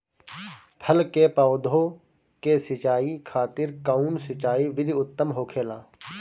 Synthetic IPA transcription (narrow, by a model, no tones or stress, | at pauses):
pʰəlkeːpaːoːd̪ʱoː | keːsɪt͡ʃaːiːkʰaːt̪ɪɾkaːuːnsɪt͡ʃaːiːʋɪd̪ʱiʊt̪ːəmɦoːkʰeːlãː